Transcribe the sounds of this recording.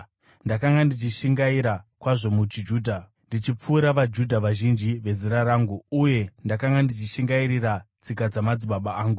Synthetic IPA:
ndakaŋɡandit͡ʃiʃiŋɡaiɾakwaʐo̞mut͡ʃid͡ʒuːdʱa | ndit͡ʃip͡fuːɾaʋad͡ʒudʱaʋaʒind͡ʒiʋe̞ziɾaɾaːŋɡuuje̞ndakaŋɡandit͡ʃiʃiŋɡaiɾirat͡sikad͡zamad͡ziɓaɓaaːŋɡu

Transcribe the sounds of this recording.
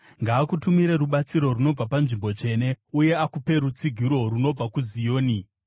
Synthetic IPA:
ŋɡaːkutumiɾe̞ɾuɓat͡siɾo̞runo̞b͡vapanʐimbo̞t͡ʂe̞ne̞uje̞akupe̞ɾut͡siɡʱiɾo̞runo̞b͡vakuzijo̞ːni

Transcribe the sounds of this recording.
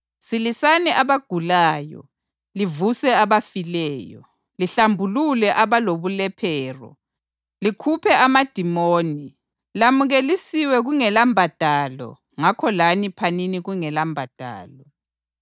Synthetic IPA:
silisanɛʔaβaɡ̥ʱulaːjɔ̰ | livusɛaβafilɛːjɔ̰ | liɬambʱululɛʔaβaloβulɛpʰɛːrɔ̰ | likʰupʰɛʔamad̥ʱimoːni | lamuɣelisiwɛɣuŋɛlambʱad̥ʱaːlɔ̰ | ŋakʰɔlanipʰaniniɣuŋɛlambʱad̥ʱa̰ːlɔ

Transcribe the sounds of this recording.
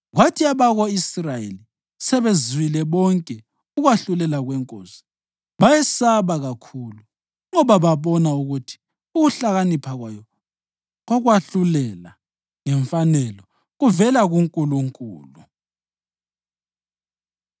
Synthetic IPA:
ɣwatʰiaβaɣɔisrajḛli | sɛβezwilɛβɔŋkʼɛ | uɣwaɬulɛlaɣwɛŋkʼo̰ːsi̥ | βajɛsaβaɣakʰulu | ŋɔβaβaβɔnauɣutʰi̥ | uɣuɬaɣanipʰaɣwajɔ | ɣɔɣwaɬulɛla | ŋɛɱfanɛlɔ | ɣuvɛlaɣuŋkʼuluŋkʼṵːlu

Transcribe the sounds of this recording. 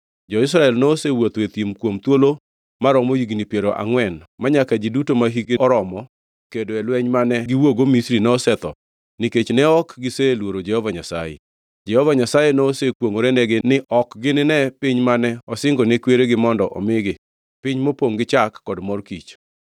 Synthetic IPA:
d͡ʒɔɪs̬ɾaɛlnosewot̪et̪imkwomt̪wolo | maɾɔmojiɡnipjeɾoʔa̰ŋwɛnmaɲakad͡ʒidutomaɦikeɔɾɔmɔ | kedoɛlwɛɲmanɛɡɪwoɡomisɾinɛɔsɛt̪ɔ | nɪket͡ʃnɛɔkɡɪselwoɾod͡ʒɛhɔvaɲasa̰jḛ | d͡ʒɛhɔvaɲasajenoːsekwoŋoɾenɛɡɪnɪʔɔkɡɪnɪnɛpɪɲmanɛɔsɪŋɡɔnekweɾeɡɪmɔndɔʔɔ̰mɪɡɪ | pɪɲmopoŋɡɪt͡ʃakːɔdmɔrkit͡ʃ

